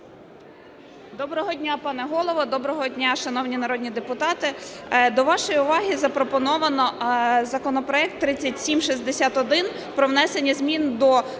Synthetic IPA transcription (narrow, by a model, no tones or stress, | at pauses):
d̪ɔbɾɔɦɔdʲnʲapɑnɛɦɔlˠɔʋɔd̪ɔbɾɔɦɔdʲnʲaʃɐnɔwnʲinɐɾɔdʲnʲid̪epʊt̪ɑt̪ɪd̪ɔʋɑʃɔjiʊʋɑɦʲizɐpɾɔpɔnɔʋɐnɔzɐkɔnɔpɾɔɛk̚t̪ːɾɪt͡sʲːɐtʲsʲimʃizʲd̪esʲat̪ɔd̪ɪn | pɾɔwnɛsenʲːɐzʲmʲind̪ɔ